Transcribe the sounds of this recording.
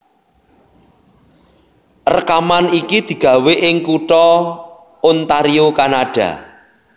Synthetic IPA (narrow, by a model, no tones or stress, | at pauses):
rəkamanikid̪̥i̤ɡ̥ä̤weʔɪŋkuʈɔ | ʊnt̪aɾiokanaɖ̥a̰